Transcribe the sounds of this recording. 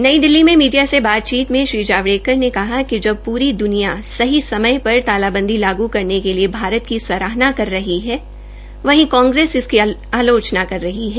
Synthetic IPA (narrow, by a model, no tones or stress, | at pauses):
nɐid̪ɪlːimẽmiːɖijasebaːt̪̚t͡ʃiːt̪mẽʃɾiːd͡ʒaːʋɽeːkəɾnekɐɦakid͡ʒɐb̚puːɾid̪ʊnijasɐɦisɐməjpɐɾt̪aːlaːbə̃nd̪ʱilaːɡukɐɾnekeliebʱaːɾət̪kisɐɾaːɦnakɐɾːɐɦiɦɛː | ʋɐɦĩkɔ̃ːŋɡɾeːsɪskiaːloːt͡ʃnakɐɾːɐɦiɦɛː